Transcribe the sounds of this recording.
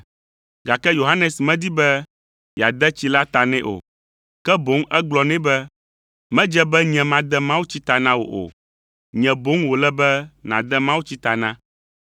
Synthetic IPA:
ɡa˨kɛ˦jo˨ɦa˦nɛ̃˨smɛ̃˦d̪i˦bɛ˦ | ja˨d̪ɛ˦t͡ɕi˦la˦t̪a˨nɛ̃˦ʔo̰˨ | kɛ˦bo˨˦ŋʔɛ˦ɡ͡blɔ˨nɛ̃˦bɛ˦ | mɛ̃˦d͡ʒɛ˦bɛ˦ɲɛ̃˨mã˦d̪ɛ˦mã˦wu˦t͡ɕi˦t̪a˨nã˦wo̰˨ʔo̰˨ | ɲɛ̃˨bo˨˦ŋwo˨lɛ˦bɛ˦nã˨d̪ɛ˦mã˦wu˦t͡ɕi˦t̪a˨nã˦

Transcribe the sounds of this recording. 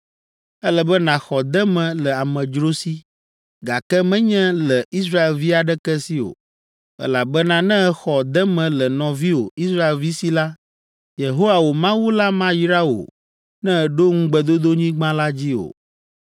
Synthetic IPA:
ɛ˦lɛ˨bɛ˦nã˨xɔ˨d̪ɛ˦mɛ̃˨lɛ˨a˨mɛ̃˨d͡ʒɾo˦si˦ | ɡa˨kɛ˦mɛ̃˦ɲɛ̃˦lɛ˨i˦s̬ɾa˦e˨lvi˦a˨ɖɛ˦kɛ˦si˦o̰˨ | ɛ̰˦la˨bɛ˦nã˦nɛ̃˦xɔ˨d̪ɛ˦mɛ̃˨lɛ˨nɔ̃˨vi˦o˨i˦sɾa˦e˨lvi˦si˦la˦ | je˨ɦo˦wa˨wo˨mã˦wu˦la˦mã˦ji˦ɾa˦o̰˨ | nɛ̃˦˨ɖo˦ŋũ˦ɡ͡bɛ˨d̪o˦d̪o˦ɲĩ˦ɡ͡bã˦la˦d͡ʑi˦o̰˨

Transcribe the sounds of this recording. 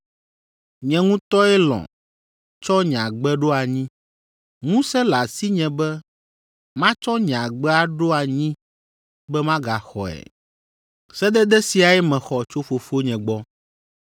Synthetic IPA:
ɲɛ̃˨ŋũ˦t̪ɔ˦ɛ˦lɔ̰̃˨ | t͡ʃɔ˦ɲ˨ã˨ɡ͡bɛ˦ɖo˦a˨ɲĩ˦ | ŋũ˦sɛ˦la˨si˦ɲɛ̃˨bɛ˦ | mã˦t͡ʃɔ˦ɲã˨ɡ͡bɛ˦a˦ɖo˦a˨ɲĩ˦ | bɛ˦mã˦ɡa˨xɔ̰˨ɛ̰ɛ̰˨ | sɛ˦d̪ɛ˦d̪ɛ˦si˨a˨ɛ˦mɛ̃˨xɔ˨t͡ʃo˦fo˨fo˦ɲɛ̃˨ɡ͡bɔ˦

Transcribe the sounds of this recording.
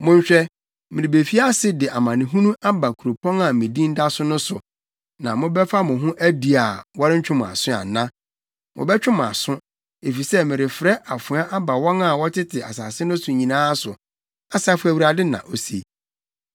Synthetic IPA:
mʊ̃˦ɲ˦ɕᶣɛ˦ | mɪ̃˨ɾɪ˨be˨fi˦a˦sɪ˦dɪ˨ʔa˨mã˨nɪ̃˨ɦũ˦nũ˦ʔa˦ba˨kʰu˨ɾo˨pʰɔ̃˦ŋa˨mɪ̃˨dĩ˦n̩˦da˦sʊ̃˦nʊ̃˦sʊ̰˨ | nã˨mʊ̃˦bɛ˦fa˦mʊ̃˨ɦʊ̃˦ʔæ˦di˨a˨wɔ˦ɾɪ˦ɲ̩˦t͡ɕᶣʊ̃˦m̃˨a̰˨sʊ̃˦a̰˨nã˦ | mʔʊ̰̃˨bɛ˦t͡ɕᶣʊ̃˦mʊ̃˨a̰˨sʊ̃˦ | e˨fi˨sɛ˦mɪ̃˨ɾɪ˨fɾɛ˦ʔa˨fʊ̃˨˦a˦ʔa˦ba˨wɔ̃˦ŋa˨wɔ˦tʰɪ˦tʰɪ˨a̰˨saː˨sɪ˦nʊ̃˦sʊ˨ɲĩ˨nãː˦sʊ˨ | a˨sa˦fʊ˦æ˨wu˨ɾa˨dɪ˦nã̰˨ʔo˦sḛ˨

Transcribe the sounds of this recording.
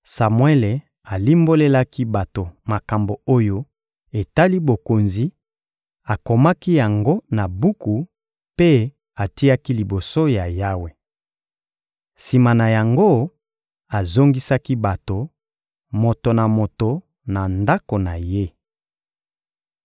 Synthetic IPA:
sa˨mwe˦le˨ | a˨li˦mbo˦le˦la˦ki˦ba˨to˨ma˨ka˨mbo˨o˦jo˦ | e˨ta˦li˦bo˨ko˨nzi˨ | a˨ko˨ma˦ki˦ja˨ŋɡo˦na˨bu˦ku˨ | pe˦ | a˨ti˦a˦ki˦li˨bo˨so˦ja˨ja˦we˨ | si˨ma˨na˨ja˨ŋɡo˦ | a˨zo˦ŋɡi˦sa˦ki˦ba˨to˨ | mo˨to˨na˨mo˨to˨ | na˨nda˦ko˨na˨je˦

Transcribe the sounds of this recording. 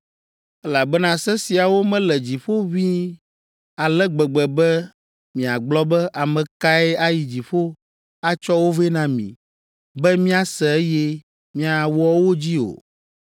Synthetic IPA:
ɛ˦la˨bɛ˦nã˨sɛ˦si˨a˨wo˦mɛ̃˦lɛ˨d͡ʑi˨ɸo˦βi˦ | a˨lɛ˦ɡ͡bɛ˨ɡ͡bɛ˨bɛ˦ | mĩ˨a˨ɡ͡blɔ˦bɛ˦ʔa˨mɛ̃˨ka˦ɛ˦a˦ji˨d͡ʑi˨ɸo˦ | a˦t͡ʃɔ˦wo˦vɛ˦nã˨mḭ̃˨ | bɛ˦mĩ˦a˨sɛ˨ɛ˦jɛ˦ | mĩ˦a˨wɔ˦wo˦d͡ʑi˦o̰˨

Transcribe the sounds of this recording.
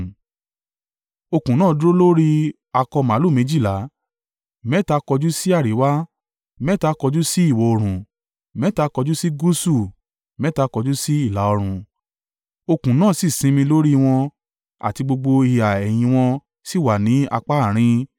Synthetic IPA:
o˧kũ˨nãː˦˨˦do˦lo˦ɾi˦ | a˧kɔ˧mã˨˦lo˦˨mẽ˨˧d͡ʒi˦˨la˨˦ | mɛ˦ta˧kɔ˧d͡ʒu˦si˦a˦˨ɾi˨˦wa˦ | mɛ˦ta˧kɔ˧d͡ʒu˦si˦i˦˨wɔ˨˧o˧ɾ̃ũ˨ | mɛ˦ta˧kɔ˧d͡ʒu˦si˦ɡu˦su˦˨ | mɛ̃˨˦ta˧kɔ˧d͡ʒu˦si˦i˦˨la˨˦ɔ˧ɾ̃ũ˧ | o˧kũ˨˦nãː˦˨si˦˨sĩ˨˦mĩ˧lo˦ɾi˦w̃ɔ̃˧ | a̰˨ti˧ɡ͡bo˧ɡ͡bo˧i˧˨a˨ɛ˨j̃ĩ˧w̃ɔ̃˧ | si˦˨wa˨nĩ˨˦a̰˧k͡pa˦˨ɾ̃ĩ˧

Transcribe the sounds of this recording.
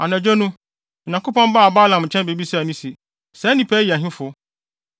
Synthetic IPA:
a˨næ̃˨d͡ʑᶣɛ˦nũ˦˨ | ɲã˨ŋkʰo˦pɔ̃˦m˦ba˦a˨baː˦lã˨m˨t͡ɕʰɛ̃˦nbe˨bi˦snĩ˦si˨ | sɛ˨˦nĩ˨pʰæ˦ji˨æ˨ɦɪ̃˦fʊ˨˦

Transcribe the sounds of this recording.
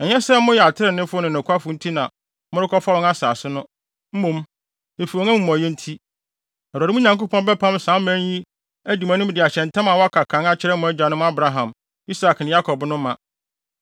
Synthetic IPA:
ɛ˨ɲɛ˦sɛ˦m˦mʊ̃˦jɛ˨a˨tʰɪ˦ɾɪ˨nɪ̃˦fʊ˦ɔ˦nʊ̃˨n˨ʊ̃˨kʰʷa˦fʊ˨n̩˦tʰi˦nã˨ | mʊ̃˦ɾɪ˦kʰɔ˦fa˦wɔ̃˦ŋa˦saː˨sʊ˦nʊ̃˦ | m̩˦mũ˨m | e˨fu˨ɔ˨ŋæ˦mũ˨m˨ã˨jɛ˦n̩˦tʰi˦ | ɛ˨ɾa˨ɾɪ˦mũ˦ɲã˨ŋko˦pʰɔ̃˦nbɛ˦pʰã˦msã˨˦mæ̃˦ɲi˦ | æ˦di˨mã˨nʊ̃˦m˦dɪ˨a˨ɕɛ̃˨n˨tʰã˦mã˨wɔ˦a˦kʰa˨kʰã˨˦ŋa˦t͡ɕʰɪ˦ɾɛ˦mʊ̃˨˦æ˦d͡ʑᶣa˨nʊ̃˦m˦a˦bɾa˨ɦã˨m | i˦sa˨knɪ̃˨ja˦kʰɔ˨bnʊ̃˦mã˨

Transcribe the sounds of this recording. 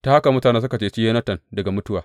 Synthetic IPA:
ta˦ha˦ka˨mʊ˦taː˨neː˦s̬ʊ˦ka˨t͡ʃeː˦t͡ʃi˦je˦nɐ˦tɐ˨ndɐ˨ɡa˨mʊ˦tʊ˦waː˨

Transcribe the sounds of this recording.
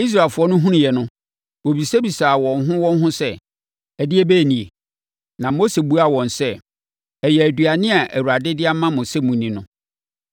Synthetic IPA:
i˦s̬ɾa˨lfʊ˨ɔ˦nʊ̃˦ɦũ˦nʊ̃˨jɛ˨nʊ̃˦ | wo˨bi˨se˦bi˨saː˨wɔ̃˨nɦʊ̃˦wɔ̃˦n˦ɦʊ̃˦sɛ˦ | ɛ˨dɪ˦e˦bæ˦˨nĩ˨e˨ | nã˨mo˦se˨bu˦a˨wɔ̃˨nsɛ˦ | ɛ˨jɛ˨æ˨du˨a˨nɪ̃˦a˨ʔæ˨wu˨ɾa˨dɪ˦dɪ˦a˦mã˦mõ˨se˦mũ˨nĩ˨nʊ̃˨˦

